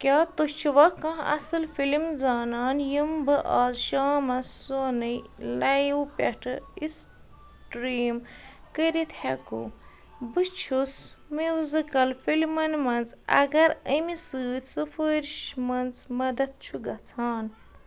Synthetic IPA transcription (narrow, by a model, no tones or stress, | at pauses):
kʲaːt̪ot͡ʃʰuʋɐkɐ̃ɐ̰sɨlfilimzaːnaːnjimbɨʔaːzʃaːmɐssonɨlɐjwpʲɛʈʰɨis | ʈɾiːmkəɾit̪ʰhɛkṵ | bɨt͡ʃʰusmizikɐlfilmɐnmɐnzɐ̰ɡɐɾəmisɨːt̪ʲsɨfəɾʃmɐnzmɐd̪ɐt̪̚t͡ʃʰuɡɐt͡sʰaːn